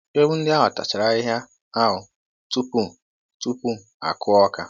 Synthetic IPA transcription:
e˦bu˦n̩˦dɪ˦a˦ɦʊ˨ta̰˨t͡ʃɪ˨ɾa˨i˦ɦja˦ | a˦ɦʊ˨ | tu˦pu˦˨ | tu˦pu˦˨a̰˨kʰʊ˦ɔ˦ka̰˨

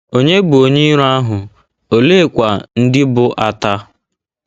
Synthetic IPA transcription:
o˦ɲe˦ɡ͡bʊ˨o˨ɲi˦ɾa˦ɦʊ˨ | o˨le˦˨kʷa˨n̩˦dɪ˦bʊ˦ʔa˨ta˦

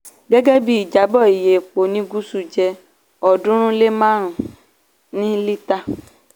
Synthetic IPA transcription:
ɡɛ˦ɡɛ˦bi˦i˨d͡ʒa˨˦bɔ˦˨i˨je˨k͡po˨nĩ˦ɡu˦su˦d͡ʒɛ˧ | ɔ˨dũ˦ɾ̃ũ˦le˦mã˦ɾ̃ũ˨ | nĩ˦li˦ta˦˨

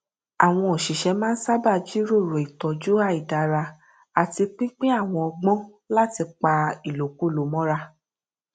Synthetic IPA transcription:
a˨w̃ɔ̃˧ɔ˨ʃi˨ʃɛ˧˦mãː˦n̩˦sa˦ba˦˨d͡ʒi˦ɾo˦˨ɾo˨i˨tɔ˨d͡ʒu˦a˧˨i˨da˨˧ɾa˧ | a˨ti˧k͡pĩ˦k͡pĩ˦a˦˨w̃ɔ̃˧ɔ˧ɡ͡bɔ̃˦ | la˦˨ti˧k͡pa˧i˨lo˨ku˨˦˨lo˨˦mɔ̃˦ɾa˧

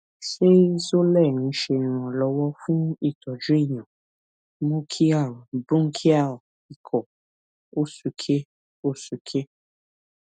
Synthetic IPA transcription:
ʃe˦i˦so˦lɛ˦˨nĩ˨˦ʃe˧nĩ˨ɾ̃ɔ̃˨lɔ˨˧˦wɔ˦fũ˦i˦˨tɔ˨d͡ʒu˦e˦˨j̃ɔ̃˨ | mũ˦kʰi˦ã˦˨bũ˦ŋ˦kʰi˦a˦˨ | i˨kʰɔ˨ | o˦su˧kʰe˦ | o˦su˨˧kʰe˦

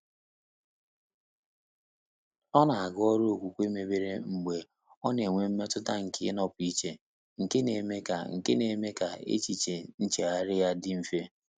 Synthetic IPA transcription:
ɔ˦na˨a˨ɡɔ˦ɾo˦o˨kʷu˨kʷe˦me˨be˦ɾe˦ŋ͡m̩˨ɡ͡be˨ | ɔ˦ne˨ŋʷe˨m̩˦me˦tʊ˦ta˦ŋ̩˨kʰɪ˦nɔ˦pʊ˨i˦t͡ʃe˨ | ŋ̩˨ke˦ne˨me˦ka̰˨ŋ̩˨ke˦ne˨me˦ka˨ḛ˦t͡ʃi˨t͡ʃe˨n̩˦t͡ʃe˨a˦ɾɪ˦ja˦dɪ˦m̩˦˨fe˦

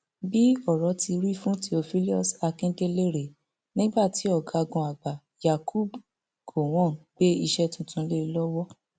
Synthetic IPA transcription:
bi˦ɔ˦˨ɾɔ˨˦ti˧ɾi˦fũ˦ti˧o˧fi˦li˦ɔ˦sa˧kĩ˦de˦le˦ɾe˨ | nĩ˦ɡ͡ba˦˨ti˨˦ɔ˦˨ɡa˧˦˧ɡɔ̃˧a˨ɡ͡ba˨ | ja˨ku˦˨b | ko˨w̃ɔ̃˦˨ɡ͡be˦i˧ʃɛ˦tũ˨tũ˨˦le˦˧˦lɔ˦wɔ˦

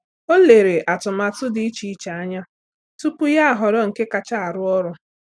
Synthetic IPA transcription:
o˦le˨ɾe˨ʔa˨tʊ˨ma˨tʊ˦dɪ˦i˦t͡ʃi˨i˦t͡ʃa˨a˦ɲa˦ | tu˦pʊ˦ja˦a˨ɦɔ˨ɾɔ˦ŋ̩˨ke˦ka˨t͡ʃa˦a˨ɾʊ˦ɔ˦ɾʊ˦

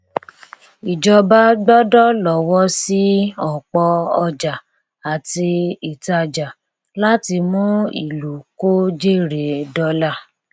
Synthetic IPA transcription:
i˨d͡ʒɔ˧ba˧˦ɡ͡bɔ˦dɔ˦lɔ˨wɔ˦si˦ɔ˨k͡pɔ˧ɔ˧d͡ʒa˨ | a˨ti˧i˨ta˧d͡ʒa˨ | la˦ti˧mũ˦ḭ˨lu˨ko˦d͡ʒe˦˨ɾe˨dɔ˦la˦˨

